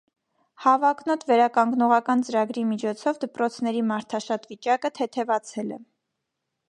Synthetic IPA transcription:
hɑvɑknɔt̪vɛɾɑkɑŋɡnɔʁɑkɑnt͡səɾɑɡɾimit͡ʃʰɔt͡sʰɔvd̪əpɾɔt͡sʰnɛɾimɑɾt̪ʰɑʃɑt̪vit͡ʃɑkət̪ʰɛt̪ʰɛvɑt͡sʰɛlɛ̰

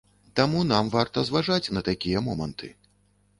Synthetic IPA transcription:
t̪amun̪amvart̪ɐzvaʐat͡sʲnɐt̪akʲijɐmɔmɐ̰nt̪ʰɨ̰

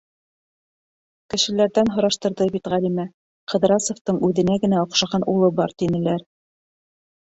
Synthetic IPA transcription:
kɘ̆ʃɘ̆læɾðænɦŏɾɑʃt̪ɤ̆ɾðɤbit̪ʁælimæ | qɤ̆ðɾɑsŏft̪ɤɴʉðɘ̆næɡɘ̆næŏqʃɑʁɑnulˠɤbɑɾt̪inɘ̆læɾ

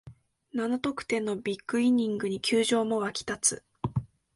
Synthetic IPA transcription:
nanot̪o̞kɯ̟̥t̪e̞nːo̞bʲikːɯ̟iɲ̟ːĩŋɡɯ̟ɲ̟ikʲɨːʑo̞ːmo̞βakʲi̥t̪at͡sɨ

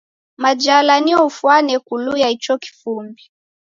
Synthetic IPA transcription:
mad͡ʒalaniɔufwanɛkulujait͡ʃɔki̥fumbi

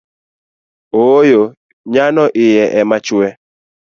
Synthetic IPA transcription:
ojo | ɲanɔʔɪjɛʔɛmat͡ʃwɛ

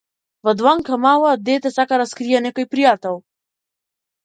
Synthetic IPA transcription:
vɔd̪vaŋkamalad̪ɛt̪ɛsakaɾaskɾijanɛkojpɾijat̪ɛlˠ

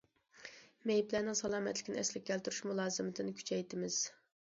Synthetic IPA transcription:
mejiplænɪŋsɑlˠɑːmɛt̪lɪkʲɪnɪɛ̰slɪk̚ʲɡʲɛlt̪yɾuʃmulˠɑːzɨmɪt̪ʰɪnɪkʲʰy̥t͡ʃʰɛjt̪ɪmɪz̥

